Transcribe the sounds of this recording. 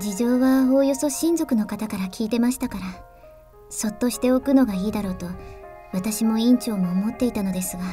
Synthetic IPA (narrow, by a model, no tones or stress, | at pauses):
d͡ʑiʑo̞ːβao̞ːjo̞so̞ɕĩnzo̞kɯ̟no̞kat̪akaɾakʲʰiːt̪e̞maɕi̥t̪akaɾa | so̞t̪ːo̞ɕi̥t̪e̞o̞kɯ̟no̞ɡaiːd̪aɾo̞ːt̪o̞βat̪aɕimo̞ĩɲt͡ɕo̞ːmo̞ːmo̞t̪ːe̞it̪ano̞d̪e̞sɨɡa